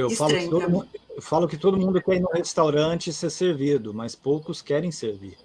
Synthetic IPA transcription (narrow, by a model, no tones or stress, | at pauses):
ewfalʊkɪt̪od̪mũwfalʊkɪt̪od̪ʊmũnd̪ʊkɛinũhest̪awɾɐ̃t͡ʃɪseɾseɾvid̪ʊmɐspowkʊskɛɾẽj̃seɾvḭɾ